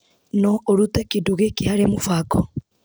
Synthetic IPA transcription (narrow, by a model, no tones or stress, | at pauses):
nɔoɾutɛkeduɣekehaɾemufakɔ